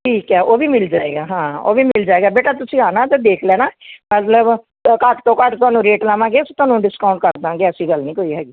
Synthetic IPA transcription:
ʈʰiːkɛːʔoːʋiːmɪld͡ʒaːeːɡaːɦãːo̰ːʋiːmɪld͡ʒaːeːɡaːbeːʈaːt̪ʊsĩːɦaːnãːt̪ed̪eːkʰlɛːnaːmət̪ləb | kəʈt̪õːkəʈt̪ʊaːnũːɾeːʈlaːʋãːɡeːsoːt̪ʊaːnũːɖɪskaːʊ̃ɳʈ̚kəɾd̪ãːɡeːəsĩːɡəlnĩːkoːiːɦɛːɡiː

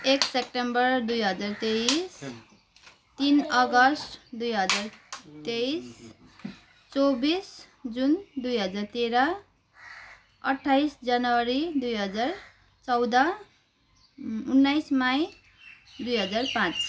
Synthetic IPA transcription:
eksep̚ʈembʌrd̪ujɦʌd͡zart̪ejis | t̪inʌɡʌsʈd̪ujɦʌd͡zart̪ejs | t͡sobis | d͡zund̪ujɦʌd͡zart̪eɾa | ʌ̰ʈʰːajsd͡zanʌwʌɾid̪ujɦʌd͡zar | t͡sʌwd̪a | unːajsmaj | d̪ujɦʌd͡zarpãt͡s

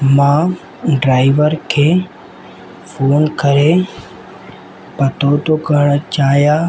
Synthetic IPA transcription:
mãː | ɖɾaːɪʋəɾkʰe | fʰoːnkəɾe | pət̪oːt̪okəɽ̃t͡ʃaːjaː

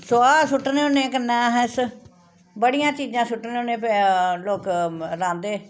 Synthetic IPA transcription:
soːaːsʊʈːneːoːnẽːkənːãːɦɛ̃ːs | bəɽɪjãːt͡ʃiːd͡ʒãːsʊʈneːoːnẽːpeloːkɾãːnd̪eː

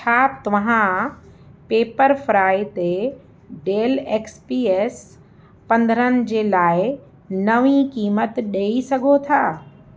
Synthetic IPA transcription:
t͡ɕʰaːp̚t̪ɐʋã | peːpəɾfɾaːit̪e | ɖeːleːkspiːeːs | pɐ̃nd̪ʱəɾənɪ̆d͡ʑeːlaːɪ | nɐʋikiːmət̪ɗeːisɐɡʱot̪ʰaː

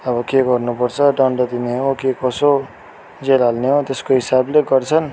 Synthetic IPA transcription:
ʌbʌkeɡʌrnupʌrt͡sʰʌɖaɳɖʌd̪ineɦokekʌso | d͡zeɾalneɦõt̪eskoɦisableɡʌrt͡sʰʌn

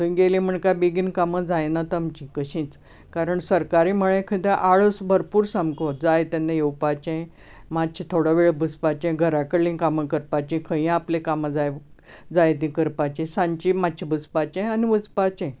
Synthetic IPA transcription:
t̪əĩɡelĩm̤əɳkabiɡinkaməd͡zajnat̪əmt͡ɕĩkəɕĩːt͡s | kaɾəɳsəɾkaɾiməɭẽkʰəd̪eʔaɭəsbʱəɾpuːɾsamkod͡zajt̪anːajewpat͡ɕẽ | mad̪̚t͡ɕʰit̪ʰoɽaʋeɭbʱəspat͡ɕẽɡʱəɾakəlːĩnkaməkəɾpat͡ɕẽkʰə̃ĩaplekaməd͡zaj | d͡zajt̪ĩkəɾpat͡ɕẽsãɲt͡ɕimad̪̚t͡ɕʰibəspat͡ɕẽaniʋəspat͡ɕẽ

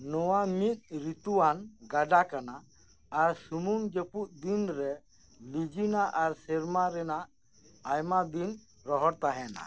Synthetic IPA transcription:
nɔwamit̪̚ˀɾit̪uwanɡaɖakanaː | ɾsumuŋd͡ʒəpuʔ̚d̪inɾɛ | lid͡ʒinaʔaɾsɛɾmaɾɛnaʔ | ajmad̪in | ɾɔɦɔɾt̪aɦɛana̰

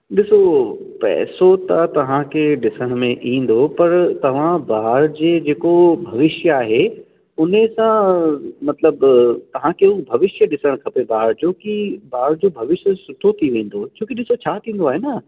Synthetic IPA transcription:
ɗɪsopɛ̰ːsot̪ɐt̪ɐʋ̤ãkʰeɗɪsəɽ̃mẽʔĩːn̆d̪opɐɾt̪ɐʋ̤ãbaːɾd͡ʑeːd͡ʑeːkobʱɐʋɪʃjəaːɦe | ʊnesãmɐt̪ləbt̪ɐʋ̤ãkʰeubʱɐʋɪʃjəɗɪsəɽ̃kʰɐpebaːɾd͡ʑoːkibaːɾd͡ʑoːbʱɐʋɪʃjəsʊʈʰot̪ʰiʋẽːn̆d̪ot͡ɕʰoːkiɗɪsot͡ɕʰaːt̪ʰĩːn̆d̪oaːɦeːnɐ

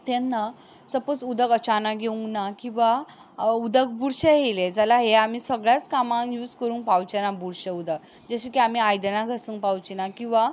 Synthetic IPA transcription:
t̪ɛ̃nːa | səpot͡sud̪ʱəɡət͡ɕanaɡʱeũŋɡnakĩw̃ʋa | ud̪ək̚buɽɕeɦeled͡zalaɦeamiːsəɡɭjat͡skamãŋjuːd͡zkəɾũːŋkpawt͡ɕenabuɽɕəud̪əɡ | d͡zəɕikiam̤iajd̪ənãɡʱəsũːŋkpawt͡ɕinakĩʋa

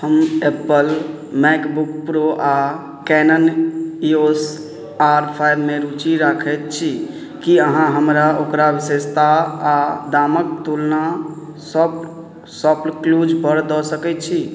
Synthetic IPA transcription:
həmepəl | mɛkbukpɾoʔa | kɛnənios | aɾpʰajbmeɾut͡ʃiɾakʰɛt̪̚t͡ʃʰi | kiəɦãɦəmɾaʔokɾaʋisest̪aː | d̪amək̚t̪ulna | səb | sɔplklud͡ʒbəɽd̪ɔsəkɛt̪̚t͡ʃʰi

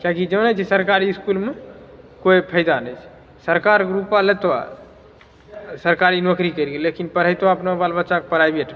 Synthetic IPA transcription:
kakid͡ʒənət͡ʃʰɛsəɾkaɾiːskulmekojpʰəjd̪anəjt͡ʃʰ | səɾkaɾɡɾupalet̪oa̰ | səɾkaɾinokɾikəjɾɡelekinpəɾ̤əjt̪oaəpnabalbətːʃakepəɾ̤ajbeʈ

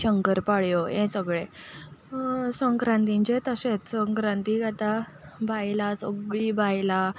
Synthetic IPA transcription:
ɕəŋkəɾpaɭjojẽsəɡɭe | səŋkɾãnt̪ĩɲt͡ɕet̪əset͡ssə̃ŋkɾãnt̪iɡat̪a | bʱajlasəɡɭibʱajla

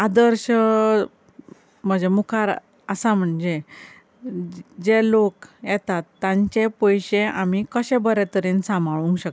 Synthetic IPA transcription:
ad̪əɾɕ | m̤əd͡ʑemukʰaɾ | əsam̤əɳd͡ʑe | d͡ʑelokjɛt̪at̪ːjãɲt͡ɕepəjɕeamikəɕẽbəɾɛt̪əɾinsãmaɭũŋkɕə

